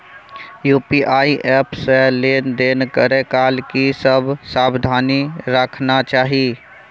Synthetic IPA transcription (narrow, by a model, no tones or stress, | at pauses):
juːpiʔaːiʔɛːpseleːnd̪eːnkəɾekaːlkisəbʱsaːbd̪ʱaːniɾəkʰnat͡ʃaːɦi